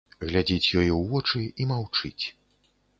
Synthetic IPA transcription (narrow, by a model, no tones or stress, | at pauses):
ɣlʲad͡zʲit͡sʲjɔjɛwvɔt͡ʂɨimawt͡ʂɨt͡sʲ